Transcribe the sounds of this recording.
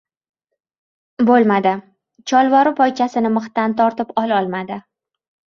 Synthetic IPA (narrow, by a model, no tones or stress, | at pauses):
bolˠmad̪ɪ | t͡ʃʰɒlˠvɒɾɪpʰɒjt͡ʃʰasɪnɪmɨχt̪ant̪ʰɒɾt̪ɪpɒlˠɒlˠmad̪ɪ